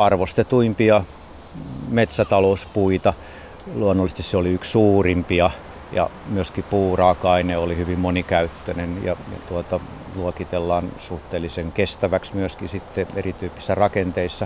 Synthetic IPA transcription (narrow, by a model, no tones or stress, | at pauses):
ɑrʋost̪et̪uimpiɑ | met̪sæt̪ɑlouspuit̪ɑ | luonːolːˑst̪isseoliykssuːrimpiɑ | jɑ̰myøskipuːrɑːkɑineolihyʋimmonikæyt̪ːønenjɑ̰jɑ̰t̪uot̪ɑ | luokit̪elːɑːnsuht̪eːlːiseŋkest̪æʋæksmyøskisit̪ːeḛrit̪yːpːi̥sːærɑkent̪eisːɑ